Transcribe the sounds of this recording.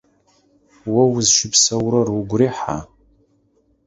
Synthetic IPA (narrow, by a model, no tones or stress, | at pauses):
wawʊzʃɪpʰsawɾaruɡʷriħa̰